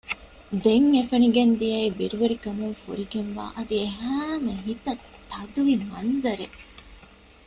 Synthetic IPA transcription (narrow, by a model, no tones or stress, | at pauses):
d̪eŋefɐniɡend̪ijɐibiɾuʋeɾikɐmuŋfṵɾiɡenʋa̰ːʔɐd̪ieɦæːmeɦit̪ɐt̪ːɐd̪uʋimɐnzɐɾe